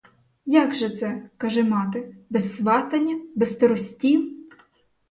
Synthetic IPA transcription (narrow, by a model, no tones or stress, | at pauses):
jɑɡʒɛt̪sɛkɐʒɪmɑt̪ɪbɛsːʋɑt̪ɐnʲːɐbɛst̪ɐɾɔsʲtʲilˠ